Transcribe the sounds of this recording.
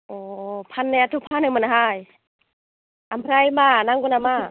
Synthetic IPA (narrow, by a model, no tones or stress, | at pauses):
ɔpʰanːɯatʰupʰanɯmanaɦaj | ʔampʰɾajmanaŋɡunama